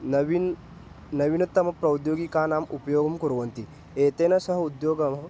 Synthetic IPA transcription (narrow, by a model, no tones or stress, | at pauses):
ʋi | nɐʋinɐt̪ːɐmɐpɾɐwd̪joːɡikaːnaːmupɐjoːɡɐmkuɾɐʋɐnt̪i | eːt̪eːnɐsɐɦɐud̪joːɡɐmɦɐ